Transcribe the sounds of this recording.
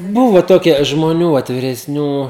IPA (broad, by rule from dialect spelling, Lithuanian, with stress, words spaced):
ˈbʊʋoː ˈtoːkʲiɛ ʒmoːˈnʲuː ʋɐt ʋʲɪrʲɛsʲˈnʲuː